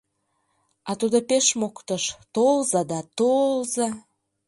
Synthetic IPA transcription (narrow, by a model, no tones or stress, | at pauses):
ɑt̪ud̪opeʃmokt̪əʃt̪olzɑd̪ɑt̪olzɑ